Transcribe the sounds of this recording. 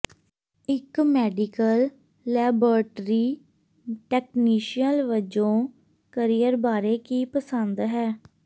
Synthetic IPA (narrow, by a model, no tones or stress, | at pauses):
ɪkmɛːɖikəlː | ɛːbəːɾʈɾiː | ʈɛːkniːʃijəlʋəd͡ʒõː | kəɾijəɾbaːɾeːkiːpəsənd̪ɦɛː